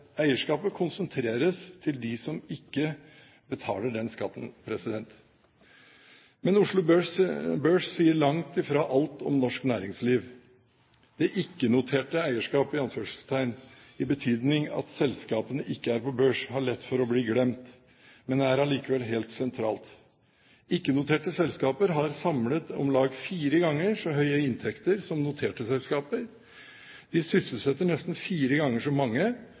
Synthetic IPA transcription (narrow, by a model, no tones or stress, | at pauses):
æɪəʂkɑːpəkʰʊnsənt̪ʰɾeːɾəst̪ʰɪld̪ɪsɔmɪkːə | bət̪ʰɑ̰ːləɖɛnskɑt̪ːn̩pʰɾɛsɪd̪ɛnt̪ | mɛnʊʂɭʊbøbøːʂsiːəɭɑŋt̪ɪfɾɑːʔɑlt̪ɔ̰mnɔʂknæːɾɪŋsliːʋ | d̪̥ɛʔɪkːənʊt̪ʰeːʈəæɪəʂkɑːpɪɑnføːʂəst̪ʰæɪn | ɪbət̪ʰyːd̪nɪŋɑ̰t̪sɛlskɑːpənəʔɪkːəæɾpɔbøːʂhɑɭɛt̪ːfɔɾɔbliːɡɽɛmt̪ | mɛnd̪ɛæɾɑliːkəʋɛlɦeːlt̪sɛnt̪ʰɾɑ̰ːlt̪ | ɪkːənʊt̪ʰeːʈəsɛlskɑːpəɾɦɑɾsɑmlət̪ɔ̰mlɑːɡfiːɾəɡɑŋːəʂɔɦœʏəɪnt̪ʰɛkt̪əɾsɔmnʊt̪ʰeːʈəsɛlskɑːpəɾ | d̪̥ɪsʏsəlsɛt̪ːəɳɛst̪n̩fiːɾəɡɑŋːəʂɔmɑŋːə